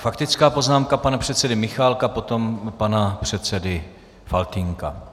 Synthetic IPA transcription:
fakt̪ɪt͡skaːpo̞znaːmkapanapr̝̥ɛt̪t͡sɛdɪmɪxaːlkapo̞t̪o̞mpanapr̝̥ɛt̪t͡sɛdɪ | falt̪ɪŋka̰

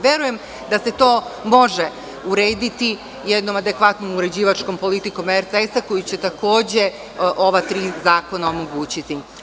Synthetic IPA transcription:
ʋje̞ɾuje̞m | d̪ase̞t̪o̞ːmo̞ʒe | uɾe̞ːd̪it̪i | jɛd̪no̞mad̪e̞kʋat̪nomuɾe̞d͡ʑiːʋat͡ʃko̞mpo̞lit̪iko̞meɾt̪eesako̞jut͡ɕe̞t̪ako̞ːd͡ʑe | ʔo̞ʋat̪ɾiːzaːko̞naomo̞ɡuːt͡ɕit̪i

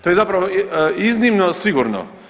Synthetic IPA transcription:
t̪ojɛzapɾaʋoiznimnosiɡuɾno̰

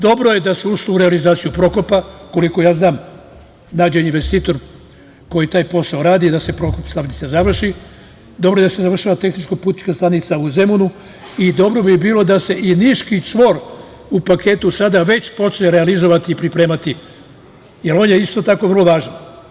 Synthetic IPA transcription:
d̪o̞bɾo̞je̞d̪aseuʃlouɾealizaːt̪sijupɾo̞ko̞pako̞liko̞jaːznaːm | naːd͡ʑeninʋe̞st̪iːt̪o̞ɾ | ko̞jit̪aːjpo̞saoɾaːd̪id̪ase̞pɾo̞kopst̪aʋnit̪sazaʋr̩ʃi | d̪obɾo̞je̞d̪asezaʋr̩ʃaʋat̪exnit͡ʃkopuːt̪i̥t͡ʃkast̪anit̪sauze̞munu | id̪o̞bɾo̞bibiːlo̞d̪ase̞ʔiniʃkit͡ʃʋo̞ɾ | upakʰe̞ːt̪usad̪aʋe̞t͡ɕpo̞t͡ʃɲeɾealizo̞ʋat̪iːpɾipɾeːmat̪i | jelo̞ːnjeist̪o̞t̪ako̞ʋr̩lˠo̞ʋaːʒan

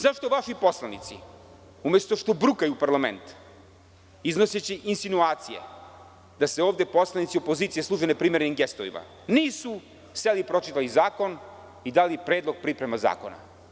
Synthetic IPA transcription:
zaʃt̪o̞ʋaʃipo̞slˠanit̪sḭ | umjest̪o̞ʃt̪o̞bɾukajupaɾlˠamḛnt̪ | izno̞set͡ɕiʔinsinuaːt̪sijḛ | d̪aseoːvd̪e̞po̞slˠanit̪sio̞po̞ziːt̪sijeslˠuːʒenepɾiːmeɾenimɡest̪ovḭma̰ | niːsu | selipɾo̞t͡ʃit̪alizaːko̞n | id̪aːlipɾeːd̪lˠo̞ɡ̚pɾipɾemaza̰ːko̞na̰

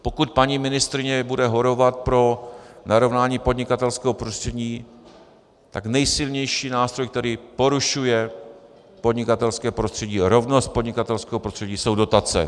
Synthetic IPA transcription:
pokut̪̚paɲiːmɪnɪst̪ɾɪɲɛbudɛɦoɾovat̪̚pɾo̞naɾo̞vnaːɲiːpo̞dɲɪkat̪ɛlskɛːɦopɾost̪r̥ɛɟiː | t̪aknɛjsɪlɲɛjʃiːnaːst̪ɾo̞jkt̪ɛɾiːpo̞ɾuʃujɛ | po̞dɲɪkat̪ɛlskɛːpɾost̪r̥ɛɟiːɾo̞vnost̪̚podɲɪkat̪ɛlskɛːɦopɾost̪r̥ɛɟiːso̞wdo̞t̪at͡sɛ̰

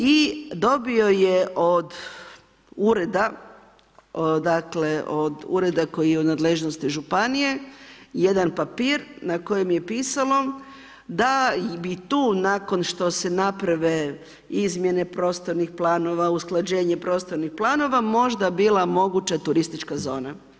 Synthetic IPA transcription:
id̪o̞bio̞jeʔod̪ | uɾe̞d̪a | d̪akle̞ʔod̪ṵɾe̞d̪ako̞jijeud̪nad̪leʒnost̪iʒupanije̞jed̪anpapiːɾnako̞jemje̞piːsalˠo̞ | d̪abit̪uːnako̞nʃt̪o̞se̞napɾaʋe̞ | izmje̞ne̞pɾo̞ːst̪o̞ɾnixplˠaːno̞ʋausklˠad͡ʑe̞ːɲe̞pɾo̞ːst̪o̞ɾnixplˠaːno̞ʋamo̞ʒd̪abiːlˠamo̞ɡut͡ɕat̪uɾist̪it͡ʃkazo̞ːna

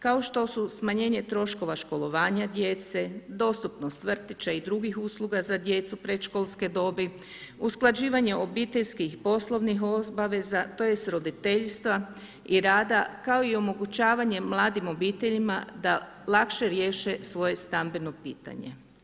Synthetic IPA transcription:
kao̞ʃt̪o̞susmaɲe̞ːɲe̞t̪ɾo̞ʃko̞ʋaʃko̞lˠo̞ʋaːɲad̪je̞t̪se̞d̪o̞st̪upno̞st̪ʋr̩t̪it͡ɕaid̪ɾuɡixuːslˠuɡazad̪je̞t̪supɾe̞t̪ʃkolˠske̞d̪o̞bi | usklˠad͡ʑiːʋaɲe̞ʔo̞biːt̪e̞ʎskixpo̞slˠo̞ʋniɦobaʋe̞zat̪oje̞st̪ɾo̞d̪it̪e̞ʎst̪ʋa | iɾaːd̪akao̞io̞mo̞ɡut͡ɕaːʋaɲe̞mlˠaːd̪imo̞biːt̪e̞ʎimad̪a | lˠakʃe̞ɾje̞ːʃesʋo̞je̞st̪ambe̞no̞piːt̪a̰ɲe̞̰

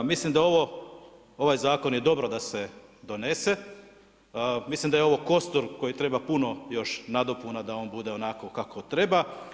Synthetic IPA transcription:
mislimd̪ao̞ʋo | o̞ʋajzaːko̞njed̪o̞bɾo̞d̪ase̞d̪o̞ne̞se | mislˠimd̪ajeo̞ʋo̞ko̞st̪oɾko̞jit̪ɾe̞bapuno̞jo̞ʃnad̪o̞punad̪ao̞ːnbud̪e̞o̞nako̞kakʰo̞t̪ɾe̞ba

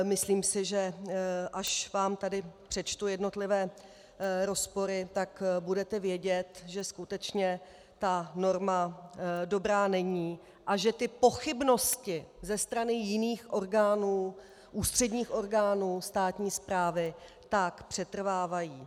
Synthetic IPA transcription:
mɪsliːmsɪʒɛʔaʃvaːmt̪adɪpr̝̥ɛt͡ʃt̪ujɛdno̞t̪lɪvɛː | ɾo̞spo̞ɾɪt̪akbudɛt̪ɛvjɛɟɛt̪ʒɛskut̪ɛt͡ʃɲɛ | t̪ano̞ɾmado̞bɾaːnɛɲiː | ʔaʒɛt̪ɪpo̞xɪbno̞scɪzɛst̪ɾanɪjɪniːxʔo̞ɾɡaːnuː | ʔuːst̪r̝̥ɛdɲiːxʔo̞ɾɡaːnuːst̪aːt̪ɲiːspɾaːvɪ | t̪akpr̥ɛt̪r̩vaːvajiː

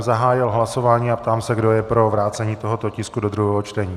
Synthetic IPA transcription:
zaɦaːjɪlɦlaso̞vaːɲiːapt̪aːmsɛɡdo̞jɛpɾo̞vɾaːt͡sɛɲiːt̪o̞ɦo̞t̪o̞cɪskudo̞d̪ɾuɦɛːɦot͡ʃt̪ɛɲiː

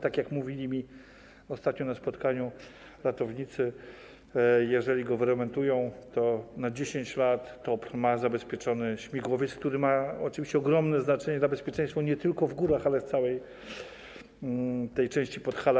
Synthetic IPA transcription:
t̪akʲjakmuvʲilʲimʲi | ɔst̪at̪̚ɲɔnaspɔt̪kaɲu | ɾat̪ɔvɲit̪sɘ | jɛʐɛlʲiɡɔvɾɛmɛnt̪ujɔ̃w̃t̪ɔnad͡ʑeɕeɲt͡ɕlat̪ːɔpɾmazabɛspʲjɛt͡ʂɔnɘɕmʲiɡwɔvʲjet̪skt̪uɾɘmaɔt͡ʂɨvʲiɕt͡ɕɛɔɡɾɔmnɛznat͡ʂɛɲɛd̪labɛspʲjɛt͡ʂɛ̃j̃st̪fɔɲɛt̪ɘlkɔvɡuɾaxalɛft̪sawɛj | t̪ɛjt͡ʂɛ̃w̃ɕt͡ɕipɔt̪xal

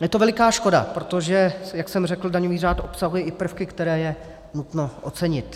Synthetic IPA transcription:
jɛt̪o̞vɛlɪkaːʃko̞da̰pɾot̪oʒɛjaksɛmr̝ɛkl̩daɲoviːraːt̪ʔo̞psaɦujɛʔɪpr̩fkɪkt̪ɛɾɛːjɛ | nut̪noʔot͡sɛɲɪt̪

